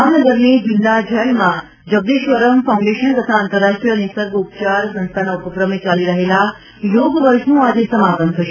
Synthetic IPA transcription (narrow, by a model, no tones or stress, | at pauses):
anəɡəɾnebind̪ad͡ʑʱəlmã | d͡ʑəɡ̚d̪eːʃʋəɾəmfaũɳɖeʃənt̪ət̪ʰaːnt̪əɾːaʂʈɾijənisəɾɡʱupt͡ɕaɾsɐ̃nst̪ʰanaupəkɾəmet͡ɕaːliɾəɦela | joːɡʋəɾʂnũad͡ʑesɐmapənʰəʃ